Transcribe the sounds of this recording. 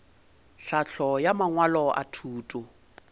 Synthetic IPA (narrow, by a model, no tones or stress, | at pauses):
ɬaɬʰɔjamaŋwalɔʔa̰tʰuːtʼʊ